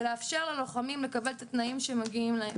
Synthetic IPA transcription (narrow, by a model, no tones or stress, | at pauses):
leafʃeʁleloχamimlekabe̞lt̪at̪naimʃemaɡiimlaem